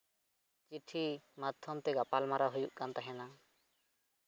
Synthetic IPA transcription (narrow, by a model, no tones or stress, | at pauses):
t͡ʃiʈʰimat̪ʰːɔmt̪ɛɡapalmaɾaɦujuʔkant̪aɦɛna